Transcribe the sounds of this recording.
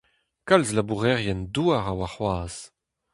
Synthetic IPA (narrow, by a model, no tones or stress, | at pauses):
kalzlabuʁɛʁjɛnduaʁawaχwaːz̥